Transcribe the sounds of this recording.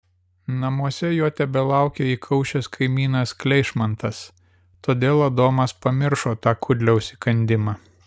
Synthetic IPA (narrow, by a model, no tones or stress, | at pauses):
nɐmuɔsʲɛjoːt̪ʲɛbʲɛlˠɑˑʊkʲeːiːkʰɐʊʃʲoskʰɐɪmʲiːnɐsklʲɛɪʃmɐnt̪ɐs | t̪oːd̪ʲeːlˠɐd̪oːmɐspɐmʲɪɾʃoːt̪ɑːkʰʊd̪ʲlʲɛʊsʲikɐnʲd̪ʲɪmɑː